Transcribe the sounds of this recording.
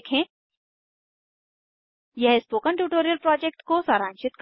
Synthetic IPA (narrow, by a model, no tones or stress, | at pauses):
kʰẽː | jɛɦspoːkə̃ɳʈuːʈoːɾijəlpɾɔːd͡ʒek̚ʈkosaːɾãːnʃɪt̪̚k